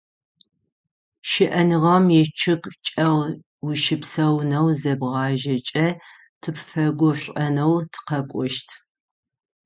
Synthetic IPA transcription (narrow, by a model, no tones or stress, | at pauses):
ʃɪʔɐnɨʁɐmjɛt͡ʃʰɪkʼt͡ʃʼɐʁ | wiʃɪpsɐwnɐwzɐbʁɑːʒɐt͡ʃʼɐ | tʰɨpfɐɡʷʊɕʷʼɐnɐwtʰɨ̥qɐkʷʼɔʃtʰ